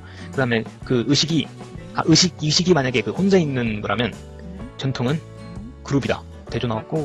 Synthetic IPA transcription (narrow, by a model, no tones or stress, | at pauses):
kɯdaɦme̞kɯɯɕʰiɡia̰ʔɯɕʰiɡiɕʰiɡimaɲaɡe̞kɯɸond͡ʑainːɯnɡʌɾɦamjʌn | t͡ɕʌntʰoŋɯn | kɯɾubida̰ | te̞d͡ʑonawak̚k͈o